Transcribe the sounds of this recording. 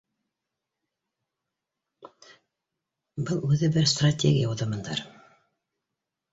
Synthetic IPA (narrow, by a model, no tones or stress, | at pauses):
bɤlˠʉðɘbɘɾst̪ratʲeɡʲɪjauðɤ̆mɤ̆nd̪ɑɾ